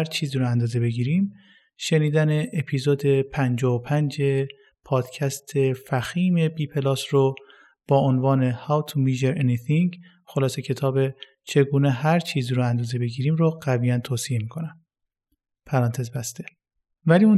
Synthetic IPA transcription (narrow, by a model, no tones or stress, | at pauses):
ɾt͡ʃʰiːziːɾoænd̪ɒːze̞be̞ɟiːɾim | ʃe̞niːd̪æne̞ʔepʰiːzoːd̪e̞pʰænd͡ʒɒːopʰænd͡ʒe̞ | pʰɒːd̪̥cʰæst̪ʰe̞fæxiːme̞biːpʰe̞lɒːsɾo | b̥ɒːonvɒːne̞hæwt̪ʰumiʒeɾenit̪iŋɡ | xolɒːse̞cʰe̞t̪ʰɒːbe | t͡ʃʰe̞ɡuːneɦæɾt͡ʃʰiːziːɾoænd̪ɒːze̞be̞ɟiːɾiːmɾoɢæbiːænt̪ʰoːsie̞miːkʰo̞næm | pʰæɾɒːnt̪ʰe̞zbæst̪e̞ | væliun